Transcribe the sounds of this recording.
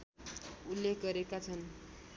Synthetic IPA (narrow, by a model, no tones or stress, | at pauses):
ulːek̚ɡʌɾekat͡sʰʌn